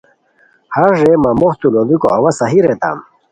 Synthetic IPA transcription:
hɐɾʐemɐmoht̪ulobiko̰ʔɐwɐsɐɦiɾet̪a̰m

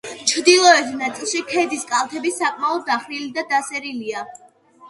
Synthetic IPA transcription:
t͡ʃʰd̪ilˠɔɛt̪ʰnat̪sʼilˠʃikʰɛd̪iskʼalˠt̪ʰɛbisakʼmaɔd̪̚ːaχɾilid̪ad̪asɛɾilia

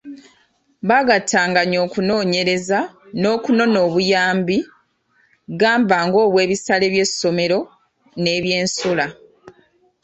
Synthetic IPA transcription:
βaɡatʰaːŋɡaɲo̞ːkuno̞ːɲe̞ɾe̞zano̞ːkuno̞no̞ːβujaːmbi | ɡaːmbaːŋɡo̞ːβwe̞ːβisale̞ːβje̞sːo̞me̞ɾo̞ | ne̞ːβje̞ːnsula

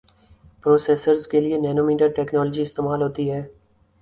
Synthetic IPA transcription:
pɾoːseːsəɾzkelɪenɛːnoːmiːʈəɾʈɛːknɔːld͡ʒiːɪst̪eːmaːlɦoːt̪iɦɛː

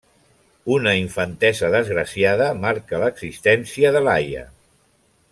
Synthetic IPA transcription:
unəiɱfənt̪ɛzəðəzɣɾəsiaðəmaɾkələɡzist̪ɛnsiəðəlajə̰

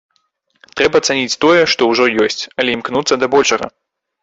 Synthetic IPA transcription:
t̪ɾɛbɐɐt̪sanʲit͡sʲt̪ɔjɛʂt̪ɔwʐɔjɔsʲt͡sʲɐlʲɛimknut̪sːɐd̪ɐbɔlʲʂɐɣɐ̰

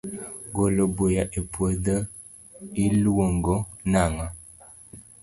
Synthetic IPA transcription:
ɡolobojaʔepwədə | iluwoŋɡɔnaŋa

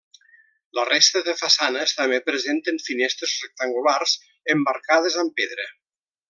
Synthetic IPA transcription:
lərest̪əðəfasanəst̪amepɾezent̪eɱfinest̪ɾezrek̚t̪aŋɡularz | əmbaɾkað̞əzampeðɾe

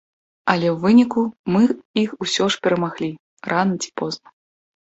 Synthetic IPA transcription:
ɐlʲɛwvɨnʲikumɨixusʲɔʂpʲɛɾɐmaɣlʲi | rʔanɐt͡sʲi̥pɔznɐ

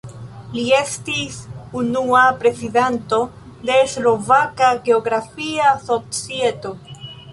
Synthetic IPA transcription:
lie̞stisunuapɾe̞sidento̞ | de̞slo̞vakaɡe̞oɡɾafiaso̞t͡sieto̞

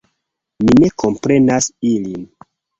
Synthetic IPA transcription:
mine̞kʰo̞mpɾe̞nasilin

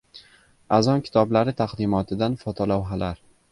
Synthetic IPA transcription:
azɒnkʲʰɪ̥t̪ʰɒblaɾɪt̪ʰaqd̪ɪmɒt̪ʰɪd̪anfɒt̪ʰɒlawɦalaɾ

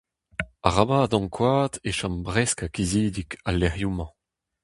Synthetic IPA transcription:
aʁabaːd̪ɑ̃ŋkwaːt̪eʃɑ̃mbʁɛskakiziːd̪ikalːɛʁjumɑ̃

